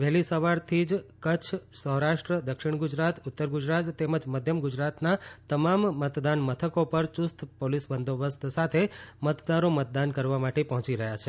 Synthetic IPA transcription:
ʋɛɦlisəʋaɾt̪ʰid͡ʒkət͡ʃʰsəɦɾaʃʈɾəd̪əkʃiɳ̃ɡʊd͡ʒɾat̪ʊt̪ːəɾɡud͡ʒɾat̪ːɛməd͡ʒməd̪ʱjəmɡʊd͡ʒɾat̪nat̪əmamːət̪d̪anmət̪ʰəkopəɾt͡ʃʊst̪ʰpolisbənd̪obəst̪ʰsat̪ʰemət̪d̪aɾomət̪̚d̪ankəɾʋamaʈepəɦɔ̃t͡ʃiɾəɦjat͡ʃʰe

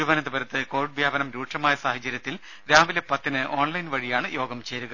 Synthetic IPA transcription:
uʋɐnɐd̪ɐbɐɾɐt̪ːɨkoːɾʈ̚bʱjaːbɐnɐmɾuːʈʂɐmaːjɐsaːhɐt͡ɕːɐɾjɐt̪ːil | ɾaːʋilepɐt̪ːinɨʔo̞ːɳlɐjnʋɐɻijaːɳɨjo̞ːɡɐmt͡ɕeːɾuɣɐ

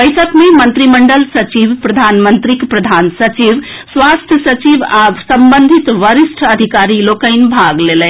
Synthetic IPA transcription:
bəjsəkmemənt̪ɾiməɳɖəlsət͡ʃiʋpɾəd̪ʱanmənt̪ɾikpɾəd̪ʱansət͡ʃiʋ | sʋast̪ʰjəsət͡ʃibasəmbənd̪ʱit̪ʋəɾisʈʰəəd̪ʱikaɾilokəɪnbʱaɡlelɛ

